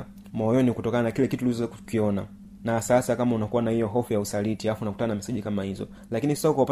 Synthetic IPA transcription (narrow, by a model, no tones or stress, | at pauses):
mɔjɔniukutɔkananakilɛkitulizɔzkiɔna | nasasakamaunakuwanahijɔɦɔfujausalitiaafunaku̥tananamisiʄikamahizɔ̰ | lakinisasahukaupa